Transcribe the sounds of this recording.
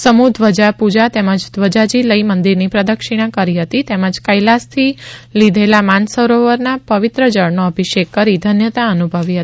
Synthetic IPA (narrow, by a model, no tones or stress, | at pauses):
səmud̪ʱʋəd͡ʒapud͡ʒat̪eməd͡ʒd̪ʋəd͡ʒad͡ʒiləimənd̪iɾnipɾəd̪əkʃiɽ̃ãkəɾiɦət̪it̪eməd͡ʒkəjlast̪ʰilid̪ʱelamansəɾoʋəɾnapəʋɪt̪ɾəd͡ʒəɭnoəbʱiʃekːəɾid̪ʱənjət̪aənubʱəʋiɦət̪i̥